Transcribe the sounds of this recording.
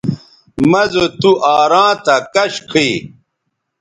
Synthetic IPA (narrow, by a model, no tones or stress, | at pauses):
mɐzot̪uʔaːɾãːt̪ɐkɐɕkʰi